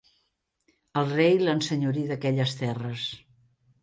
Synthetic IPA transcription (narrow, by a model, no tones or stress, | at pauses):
əlˠrejlənsəɲuɾiðəkɛʎəst̪ɛrəs